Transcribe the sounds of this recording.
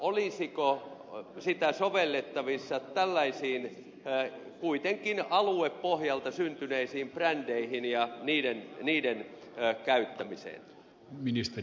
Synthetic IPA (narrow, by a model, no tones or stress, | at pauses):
olisiko | sit̪æsoʋelːet̪ːɑʋisːɑt̪ælːæisiːn | kuit̪eŋkinɑlueppohjɑlt̪ɑsynt̪yneisiːmprændeihinjɑniːdenniːden | kæyt̪ːæmisḛn | minist̪e